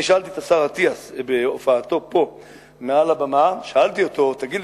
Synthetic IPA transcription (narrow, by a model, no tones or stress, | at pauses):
ʃaalt̪it̪asaʁhat̪iasbeofaːt̪o̞po̞ | mealabamaʃaalt̪io̞t̪o̞t̪aɡid̪